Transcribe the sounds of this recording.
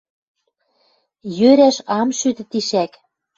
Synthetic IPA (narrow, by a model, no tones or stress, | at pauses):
jøɾæʃɑmʃyt̪ɘ̆t̪iʃæk